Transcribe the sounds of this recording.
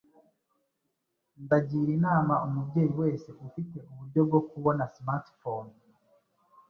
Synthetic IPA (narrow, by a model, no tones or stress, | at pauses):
ndaɟiːɾinaːmaʔumubɟe̞ːjiwe̞ːse̞ʔufite̞ʔuβuɾɟo̞bɡo̞kuβo̞nasmaɾtfon